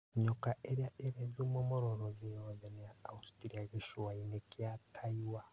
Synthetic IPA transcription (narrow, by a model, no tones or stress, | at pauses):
ɲokaʔeɾjaʔeɾezumomoɾoɾozijozenejaːusi̥tiɾiaɡiʃuwainekjatʰaiwa